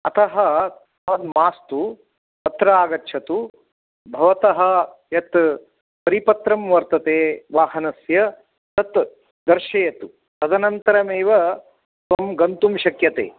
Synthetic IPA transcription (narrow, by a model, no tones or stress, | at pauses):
ɐt̪ɐɦɐt̪ | aːd̪maːst̪u | p̪ɐt̪ɾɐaːɡɐtːʃʰɐt̪u | bʱɐʋɐt̪ɐɦɐ̆ | jɐt̪ | pɐɾipɐt̪ɾɐmʋɐɾt̪ɐt̪eːʋaːɦɐnɐsjɐ | t̪ɐt̪ | d̪ɐɾʃɐjɐt̪u | t̪ɐd̪ɐnɐnt̪ɐɾɐmeːʋɐ | sʋɐmɡɐnt̪umʃɐkjɐt̪ḛː